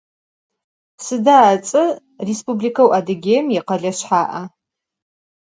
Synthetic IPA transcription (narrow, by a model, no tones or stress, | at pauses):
sɨdaːt͡sʼɨ | respublikʰɐwʔadɨɡʲeːjmjiqɐɮɐɕħaːʔɐ